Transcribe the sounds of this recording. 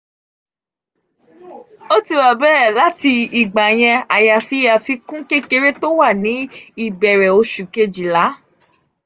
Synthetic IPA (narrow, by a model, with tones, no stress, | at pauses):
o˦ti˧wa˨bɛː˦˨la˨˦ti˧i˨ɡ͡ba˨j̃ɛ̃˧a˨ja˧fi˦ja˧fi˧kũ˦ke˦ke˧ɾe˦to˦wa˦˨nĩ˨˦i˦˨bɛ˨ɾɛ˨o˧ʃu˨ke˧d͡ʒi˨la˨˦